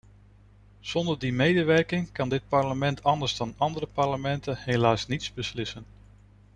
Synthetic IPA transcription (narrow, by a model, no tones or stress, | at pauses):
z̥ɔndəɹdimejdəʋɛɹkɪŋkɑndɪt̚pɑɹləmɛntʰɑndəɹzdɑnɑndərəpɑɹləmɛntənɦejlaːsnitzbəslɪsən